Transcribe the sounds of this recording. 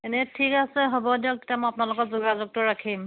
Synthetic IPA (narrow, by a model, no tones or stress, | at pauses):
enɛtʰikasɛɦɔbɔdiɔk̚te̥tiamɔjapnalʊkɔzuɡazuɡ̚tʊɹakʰim